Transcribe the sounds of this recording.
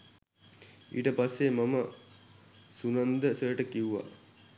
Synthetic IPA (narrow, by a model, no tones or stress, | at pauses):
ḭːʈəpasːemɐmə | sunɐnd̪əsəjəʈəkiuʋa̰